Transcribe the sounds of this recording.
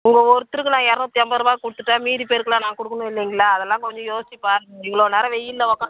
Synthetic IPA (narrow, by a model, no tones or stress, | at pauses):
ʊŋɡɐɔɾɯt̪ːɯɾɯkːɯnãːɛːɾɐnõːt̪ɪɐmbɐɾmaːkɔɽɯt̪ːɯʈːaːmiːðipeːɾkɯɭaːnãːkɔɽɯkːɐnʊ̃ɪlːɐŋɡɐɭːaːðɛlːãːkɔɲd͡ʒɔ̃joːsɪt͡ʃːipaːɪŋɡɐɭoːneːɾɐʋɛjːɪnd̪ɐʋɔkːɐ̃